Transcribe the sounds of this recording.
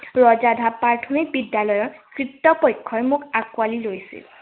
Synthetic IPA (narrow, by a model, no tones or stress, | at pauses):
ɹɔzadʱapaɹʈʰumik̚bidjalɔjɔɹkɹitːɔpɔjkʰːɔjmukakwalilojsḭl